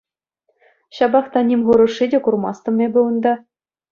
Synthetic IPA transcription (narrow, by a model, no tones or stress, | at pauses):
ɕɑbɑχt̪ɑnʲimʲʁuɾɤ̆ʂːidʲekurmɑst̪ɤ̆mʲebʲɘ̆ŭnd̪ɑ